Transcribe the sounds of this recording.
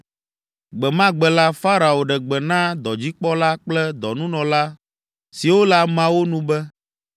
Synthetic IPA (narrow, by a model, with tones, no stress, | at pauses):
ɡ͡bɛ˨mã˦ɡ͡bɛ˨la˦fa˦ɾa˨wo˨ɖɛ˨ɡ͡bɛ˨nã˦d̪ɔ˨d͡ʑi˦k͡pɔ˦la˦k͡plɛ˦d̪ɔ˨nũ˦nɔ̃˨la˦ | si˨wo˦la˨mã˦wo˦nũ˦bɛ˦